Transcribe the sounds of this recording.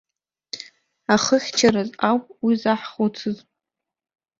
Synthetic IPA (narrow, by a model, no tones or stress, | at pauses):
aχəχʲt͡ʃʰaɾazawpʼwizaħχot͡sʰɨz